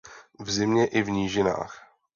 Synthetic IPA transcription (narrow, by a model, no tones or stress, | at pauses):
vzɪmɲɛʔɪvɲiːʒɪna̰ːx